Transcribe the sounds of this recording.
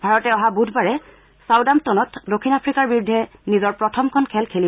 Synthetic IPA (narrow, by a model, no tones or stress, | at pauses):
bʱaɹɔtɛɔɦabudʱbaɹɛ | sawdamtonɔtdokʰːinapʰɹikaɹbiɹudʱːɛnizɔɹpɹɔtʰɔmkʰɔnkʰɛlkʰeli